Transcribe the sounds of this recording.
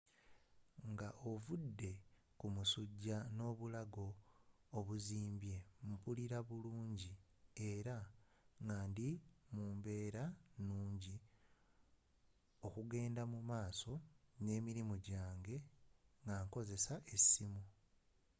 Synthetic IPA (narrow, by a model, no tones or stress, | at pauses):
ŋɡaʔovudːe̞ | kumusuɟːano̞ːβulaɡo̞ː | βuziːmbje̞mupuliɾaβuluːɲɟi | e̞ɾa | ŋɡaːndimuːmbe̞ːɾanuːɲɟi | o̞kuɡe̞ːndamumaːso̞ne̞ːmiɾimuɟaːŋɡe̞ŋɡaŋko̞ze̞saʔe̞simu